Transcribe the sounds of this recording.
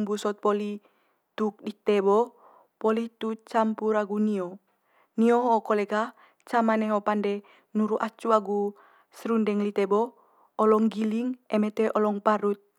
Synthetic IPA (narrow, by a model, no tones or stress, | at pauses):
mbusɔt̪̚pɔli | t̪uk̚dit̪ɛbɔ | pɔlit̪ut͡ʃampuɾaɡuniɔ | niɔɦɔkɔlɛɡa | t͡ʃamanɛɦɔpandɛ | nuɾuʔat͡ʃuaɡu | sɾundɛŋlit̪ɛbɔ | ɔlɔŋɡiliŋɛmɛt̪ɛʔɔlɔŋpaɾut̪̚